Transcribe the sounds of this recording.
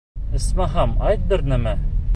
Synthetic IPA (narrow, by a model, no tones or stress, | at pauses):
ɘ̆smɑɦɑmɑjt̪̚d̪ɤ̆ɾnæmæ